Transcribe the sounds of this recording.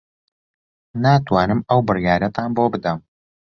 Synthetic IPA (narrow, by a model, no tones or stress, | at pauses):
naːt̪waːnɨmɐwbɨrjaːɾɐt̪ʰaːnbobɨd̪ɐm